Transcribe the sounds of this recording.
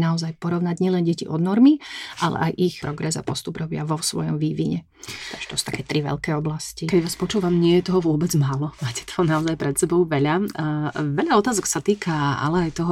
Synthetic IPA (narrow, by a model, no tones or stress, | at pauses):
naɔzajpɔɾɔʊnaɟɲɪɛlɛnɟɛciʔɔd̪nɔɾmiʔalɛ̰ʔajʔixpɾɔɡɾɛza̰pɔst̪ubɾɔbɪa̰ʋɔsʋɔ̰jɔmʋiːʋiɲɛ | t̪aɡʒ̥ɛt̪ɔsu̥t̪akɛːt̪ɾiʋɛ̰ʎkɛːɔblascikɛɟʋaːspɔt͡ʃuːʋamɲɪɛjɛt̪ɔɦɔʋʊɔbɛd͡zmaːlɔmaːcɛ̥t̪ɔ̥ɔnaɔzajpɾɛt̪sɛbɔʊʋɛʎa | ʋɛʎaɔt̪aːzɔksat̪iːkaa̰lɛajt̪ɔɦɔ